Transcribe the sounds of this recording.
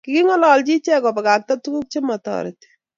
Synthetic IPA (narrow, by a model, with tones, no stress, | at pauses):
ki˦ki˦ŋɔ˦lɔlt͡ʃi˦t͡ʃɛ˦kɔ˨pɛ˨ka˨k̚ta˦tu˦ku˦k̚t͡ʃe˦matɔ̰ɾḛt